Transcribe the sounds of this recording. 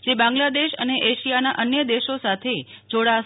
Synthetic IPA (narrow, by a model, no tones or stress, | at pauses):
d͡ʒebãŋɡlad̪eʃə̰neʔeʃijanaʔənjəd̪eʃosat̪ʰed͡ʒoɽa